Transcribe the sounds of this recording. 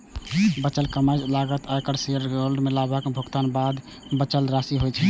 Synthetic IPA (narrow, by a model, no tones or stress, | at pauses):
bət͡ʃəlkəmajd͡ʒlaɡət̪akəɽseəɾolɖmelabakebʱokt̪anbad̪ | bət͡ʃəlɾasiɦojt͡ʃʰɛ